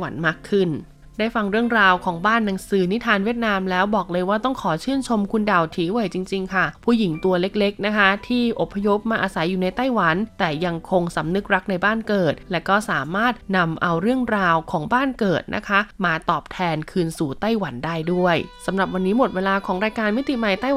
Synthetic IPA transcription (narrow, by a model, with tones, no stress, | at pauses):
wa˨˩˦nmaː˥˩kʰːɯ˥˩n | daː˥˩jfa˧ŋɾɯ˥˩əŋɾaː˧wkʰɔː˩˦ŋbaː˥˩nːa˨˩˦ŋsɯː˩˦ni˦˥t̪ʰaː˧nwi˥˩ə˩t̪̚naː˧mlɛː˦˥wbɔː˨˩k̚lɤː˧jwaː˥˩t̪ɔ˥˩ŋkʰɔː˩˦t͡ɕʰɯː˥˩nt͡ɕʰo˧mkʰu˧nda˨˩wt̪ʰiː˨˩˦wa˨˩˦jt͡ɕi˧ŋt͡ɕi˧ŋkʰa˥˩pʰuː˥˩ji˩˦ŋt̪u˧ɐle˦˥k̚le˦˥k̚na˦˥kʰa˦˥t̪ʰiː˥˩ʔo˨˩pʰːa˧jo˦˥p̚maː˧ʔaː˧sa˨˩˦jːuː˨˩na˧jt̪a˥˩jwa˩˦nt̪ɛː˨˩ja˧ŋkʰo˧ŋsa˩˦mnɯ˦˥k̚ɾa˦˥k̚na˧jbaː˥˩nkɤː˨˩t̪̚lɛː˦˥kɔː˥˩saː˩˦maː˥˩t̪̚na˧mʔa˧wɾɯ˥˩əŋɾaː˧wkʰɔː˩˦ŋbaː˥˩nkɤː˨˩t̪̚nʔa̰˦˥kʰa˦˥maː˧t̪ɔː˨˩p̚t̪ʰɛː˧nkʰɯː˧nsuː˨˩˦t̪a˥˩jwa˩˦ndaː˥˩jdu˥˩əjsa˩˦mɾa˨˩p̚wa˧nːiː˦˥mo˨˩t̪̚weː˧laː˧kʰɔː˩˦ŋɾaː˧jkaː˧nmi˦˥t̪i˨˩ma˨˩jt̪aː˥˩j